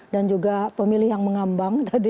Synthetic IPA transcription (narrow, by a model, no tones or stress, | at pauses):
dand͡ʒuɡapəmilɪhjaŋməŋambaŋt̪adi